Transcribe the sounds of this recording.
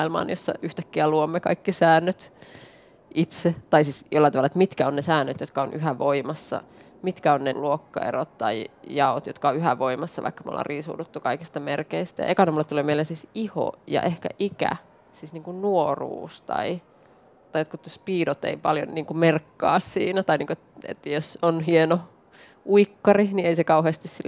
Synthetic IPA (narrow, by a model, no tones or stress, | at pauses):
mɑilmɑ̰ːnjosːɑ̰ʔyht̪ækːiæluomːekɑ̰ikːisæːnːøt̪ | it̪set̪ɑisiːsjolːɑt̪ɑʋɑlɑet̪mit̪kæonnesæːnːøt̪jot̪kɑonʔyɦæʋoimɑsːɑ̰ | mit̪kæonneluokːɑ̰ḛrot̪t̪ɑijɑot̪jot̪kɑoyɦæʋoimɑsːɑʋɑ̰ikːɑmo̰lːɑ̰ːriːsṵːdut̪ːukɑikist̪ɑmerkeist̪æjɑ̰ekɑnomulːet̪t̪uleːmeilːensisiho̰jɑ̰ʔehkæ̰ʔikæ̰ | sisniːŋkunnuorṵːst̪ɑ̰i | t̪ɑiot̪kut̪ːospiːdot̪ḛipɑljo̰nniːŋkumerkːɑ̰ːssḭːnæt̪ɑiniːŋkuoet̪ḛt̪ːjosonhieno | ʔuikːɑrinieisekɑuɦheːst̪issilː